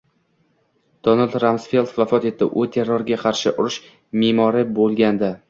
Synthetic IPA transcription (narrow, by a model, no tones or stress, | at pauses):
d̪̥onald̪ɾamsfe̞lˠd̪vafɒt̪e̞t̪ːɪ̰ʔʊt̪ʰe̞ɾːoɾɡʲaqʰɑɾʃɪʔʊɾɪʃ | meːmɒɾɪbolˠɡʲand̪a